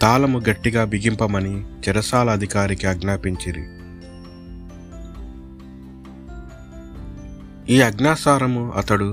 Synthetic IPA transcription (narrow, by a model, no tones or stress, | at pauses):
t̪aːlɐmuɡɐʈːiɡaːbiɡimpɐmɐnit͡ʃɛɾɐsaːlɐːd̪ʱikaːɾikiɐɡnaːpiɲt͡ʃiɾḭ | iːɐɡnaːsaːɾɐmuɐ̰t̪ɐɽu